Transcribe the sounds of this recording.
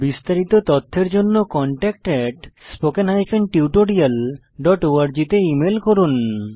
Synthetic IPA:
bist̪aɾit̪ot̪ɔt̪ʰːeɾd͡ʑonːokɔɳʈɛk̚ʈɛʈspokenɦajpʰenʈiuʈoɽial | ɖɔʈoaɾd͡ʑit̪eimelkoɾun

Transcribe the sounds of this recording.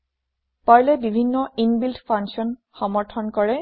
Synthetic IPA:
paɹlɛbibʱinːɔinbiltpʰaŋsiɔn | xɔmɔɹtʰɔnkɔɹɛ

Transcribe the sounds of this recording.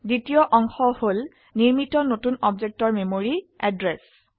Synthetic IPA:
ditijɔʔɔŋxɔhol | niɹmitɔnotunɔbzek̚tɔɹmemoɹiɛdɹes

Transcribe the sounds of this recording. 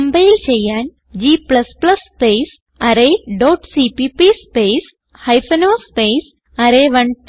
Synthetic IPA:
mbeilt͡ɕejan | d͡ʑiːpləspləsːpes | aɾeɖɔʈsipipispes | hajfənospes | aɾeʋəɳʈ

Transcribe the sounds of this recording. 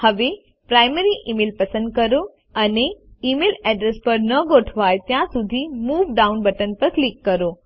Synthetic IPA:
həʋe | pɾajmeɾiʔimeːlpɐsə̃nd̪̚kəɾo | əneimelɛɖɾespɐɾnəɡoʈʰʋajt̪jãsud̪ʱimuːʋɖaunbəʈənpəɾklikːəɾo

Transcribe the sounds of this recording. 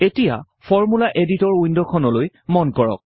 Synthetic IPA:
etija̰ | pʰɔɹmulaʔeditɔɹundɔkʰɔnɔloj | mɔnkɔɹɔ̰k̚

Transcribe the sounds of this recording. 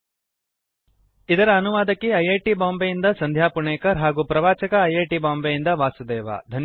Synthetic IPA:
id̪ɐɾɐːnuʋaːd̪ɐkːiɐjeːʈibaːmbɐjind̪ɐsɐnd̪ʱjaːpuɳeːkɐɾɦaːɡuːpɾɐʋaːt͡ʃɐkɐɐjeːʈibaːmbɐjind̪ɐʋaːsud̪ɛːʋa̰ːd̪ʱɐn

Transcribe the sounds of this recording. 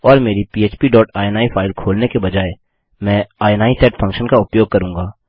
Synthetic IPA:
ɔːɾmeːɾipiːeːt͡ʃpiɖɔːʈaːɛnaːifʰaːɪlkʰoːlnekebɐd͡ʒaːe | mɛ̃ːaːɛnaːisɛːʈfʰɐ̃ŋkʃənkaʊpjoːɡ̚kɐɾũːŋɡaː

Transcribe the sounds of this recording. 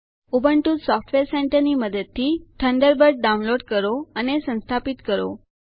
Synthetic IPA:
ubəɳʈud̪sɔfʈʋeɾseɳʈəɾniməd̪əd̪̚t̪ʰiʈʰəɳɖ̪əɾbəɾɖ̚ɖaũnloɖ̚kəɾoənesə̃nst̪ʰapit̪kəɾo̰

